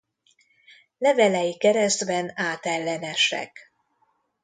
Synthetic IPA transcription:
lɛvɛlɛjikɛɾɛzd̪bɛnaːt̪ɛlːɛnɛʃɛ̰k

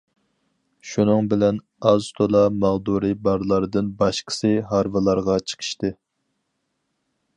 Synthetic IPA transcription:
ʃunɨŋbɪlɛn | ɑzt̪ʰolˠɑmɑʁd̪uɾɨbɑɾlˠɑɾɨd̪ɨnbɑʃqʰə̥sɨɦɑɾvɨlˠɑɾʁɑt͡ʃʰə̥qʰə̥ʃt̪ɨ

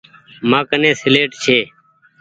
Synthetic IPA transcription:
mãːkənẽːsɪleːʈt͡ʃʰeː

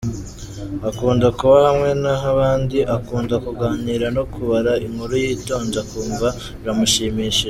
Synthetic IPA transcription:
akuːndakuβahamŋe̞naɦaβaːndiʔakuːndakuɡaːɲiɾano̞kuβaɾaiŋhuɾujiːto̞ːɲd͡ʒakuːmva | ɾamuʃiːmiːʃi

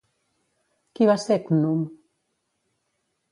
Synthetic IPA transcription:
kiβasekunum

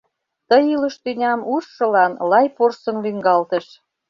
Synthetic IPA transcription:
t̪əjilə̆ʃt̪ynʲɑmuʃːɤ̆lɑnlɑjporsə̆nlyŋɡɑlt̪ə̆ʃ

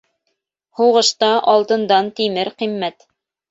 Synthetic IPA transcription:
huʁɤ̆ʃt̪ɑʔɑlˠt̪ɤ̆nd̪ɑnt̪imɘɾqimːæt̪

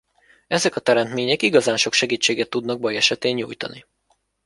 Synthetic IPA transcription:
ɛzɛkɒt̪ɛɾɛnt̪meːɲɛkiɡɒzaːnʃo̞kʃɛɡiːt͡ʃːeːɡɛt̪ːud̪nɒɡ̚bɒjɛʃɛt̪eːɲːṵːjt̪ɒ̰ni

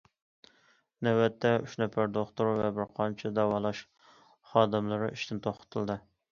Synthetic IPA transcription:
næwɛt̪ʰːɛyʃnɛpæɾd̪oχt̪uɾvɛbɪɾqʰɑnt͡ʃʰɛd̪æwɑlˠɑʃ | χɑːd̪ɨmlˠɨɾɨʔiʃt̪ʰɪnt̪ʰoχqə̥t̪ʰɨlˠd̪ɨ

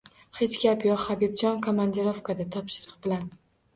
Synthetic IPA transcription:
he̞t͡ʃkʲapjɒqhabib̚d͡ʒɒnkʰomand̪eɾofkad̪at̪ʰɒpʃɪɾɨqbɪlan

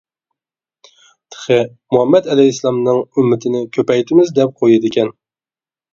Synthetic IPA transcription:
t̪ʰə̥χɨ | muhæmːɛt̪ælɛjslˠɑmnɨŋʊmːɪt̪ʰɪnɪkʲʰøpɛjt̪ʰɪmɪzd̪ɛp̚qʰojɪd̪ɪkʲɛn

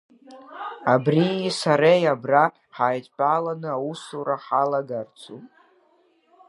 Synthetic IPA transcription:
abrisaɾejabra | ħaːjt͡sʼpʼalanɨawusuɾaħalaɡart͡sʰupʼ

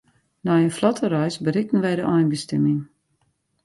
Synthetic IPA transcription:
nɔjəflɔtʰərɔjsbərɪk̚ən̩ʋɛjdəʔɔjnbəstɛmɪŋ

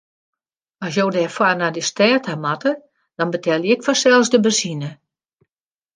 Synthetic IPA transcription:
ɔs̬joːdɛfwanadəstɛːtamatə | d̥ɔnbətʰɛlˠjɪkfɔsɛlˠsdəbəsinə

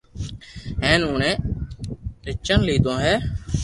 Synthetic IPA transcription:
ɦɛːnʊːɳɛ̃ː | ɾɪt͡ʃːənliːd̪õːɦɛː

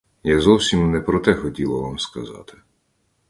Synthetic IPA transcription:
jazɔwsʲimnɛpɾɔt̪ɛxɔtʲilˠɐʋamskɐzɑ̰t̪ɪ̥

